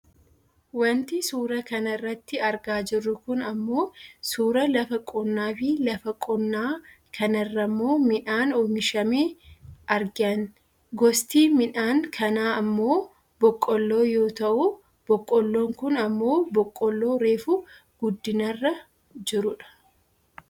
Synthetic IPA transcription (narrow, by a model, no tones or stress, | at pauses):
wɐnt̪ɪsuːɾɐkɐnɐrːɐt̪ːɪɐɾɡaːd͡ʒɪrːʊkʊnɐmːo̞ːsuːɾɐlɐfɐkʼɔnːaːfɪlɐfɐkʼɔnːaː | kʰɐnɐrːɐmːo̞ːmɪᶑaːnoːmɪʃɐmeːʔɐɾɡɪɐn | ɡɔst̪iːmɪᶑaːŋkʰɐnaːɐmːo̞ː | bɔkʼːɔlːo̞ːjo̞ːt̪ɐʔʊ | b̥ɔkʼːɔlːo̞ːŋkʊnɐmːo̞ːbɔkʼːɔlːo̞ːɾe̞ːfʊ | ɡ̥ʊd̪ːɪnɐrːɐ | d͡ʒɪɾʊᶑɐ̥